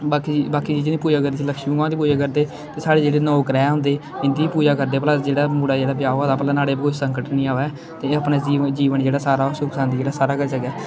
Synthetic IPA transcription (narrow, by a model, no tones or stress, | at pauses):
baːkibaːkiːd͡ʒiːd͡ʒeniːpuːd͡ʒaːkəɾd̪isiləkʃiũːɡãːd̪iːpuːd͡ʒaːk̬əɾd̪eː | t̪eːsaːɽeːd͡ʒeːɽeːnoːkɾɛːɦʊ̃nd̪eːɪnd̪iːiːpuːd͡ʒaːkəɾd̪eːpəlaːd͡ʒeːɽaːmuːɽaːd͡ʒeːɽaːbɪjaːoad̪aːpəlaːnaːɽeːbkoːsəŋkəʈnĩːaːʋɛː | t̪eːəpnaːid͡ʒiːʋənd͡ʒeːɽaːsaːɾaːsksaːnd̪iːd͡ʒeːɽaːsaːɾaːkəɾisəɡɛː